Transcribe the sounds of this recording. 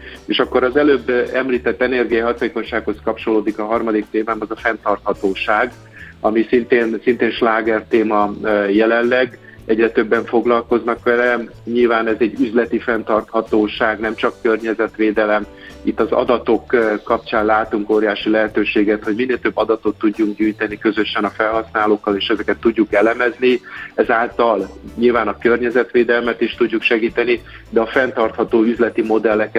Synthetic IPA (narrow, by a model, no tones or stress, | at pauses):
eːʃɒkːo̞ɾɒzɛløːbːɛmliːt̪ɛt̪ːɛnɛrɡijɒjɦɒt̪eːko̞ɲʃaːkho̞skɒp̚t͡ʃo̞loːd̪ikɒɦɒrmɒd̪ik̚t̪eːmaːmɒzɒfɛnt̪ɒrt̪hɒt̪oːʃaːɡ | ɒmisint̪eːnsint̪eːnʃlaːɡɛrt̪eːmɒjɛlɛlːɛɡ | ɛɟrɛt̪ø̞bːɛɱfo̞ɡlɒlko̞znɒkʋɛlɛɲilvaːnɛzɛɟːyzlɛt̪ifɛnt̪ɒrt̪hɒt̪oːʃaːɡnɛmt͡ʃɒkːørɲɛzɛt̪ʋeːd̪ɛlɛm | it̪ːɒzɒ̰d̪ɒt̪o̞kkːɒp̚t͡ʃaːnlaːt̪uŋkoːɾjaːʃilɛɦɛt̪øːʃeːɡɛt̪ho̞ɟmineːlt̪øbːɒd̪ɒt̪o̞t̪ːuɟːuŋkɟyːjt̪ɛnikøzø̞ʃɛnɒfɛlɦɒsnaːloːkːɒleːʃɛzɛkɛt̪ːuɟːukɛlɛmɛzniɛzaːlt̪ɒlɲilvaːnɒkørɲɛzɛt̪ʋeːd̪ɛlmɛt̪iʃt̪uɟːukʃɛɡiːt̪ɛni | d̪ɛɒfɛnt̪ɒrt̪hɒt̪oːyzlɛt̪imo̞d̪ɛlːɛk